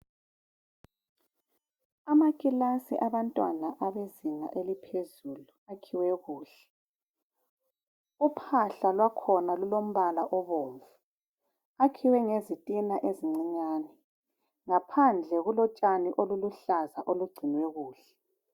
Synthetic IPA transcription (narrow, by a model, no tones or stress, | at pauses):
amakʼilasḭʔaβantʼwa̰naʔaβeziŋa̰ʔelipʰezuluakʰiwɛɣuːɬɛ̥ | upʰaɬalwakʰɔnalulom̩βalaʔɔβoːɱvu | akʰiwɛŋezitʼinaʔeziŋ͡ǀiɲaːnɛ | ŋapʰand͡ɮʱɛɣulɔt͡ʃʼaniʔoluluɬazaʔoluɡ͡ǀʱinwɛɣuːɬɛ̥